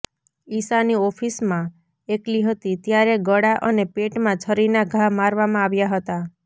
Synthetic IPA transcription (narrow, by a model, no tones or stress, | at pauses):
isaniɔpʰismã | ekliɦət̪it̪jaɾeɡəɽaʔənepeʈmãt͡ʃʰəɾinaɡʱamaɾʋamãaʋjaɦət̪a